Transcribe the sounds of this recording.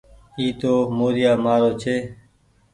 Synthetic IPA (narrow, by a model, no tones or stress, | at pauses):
iːt̪oːmoːɾjaːmaːɾoːt͡ʃʰeː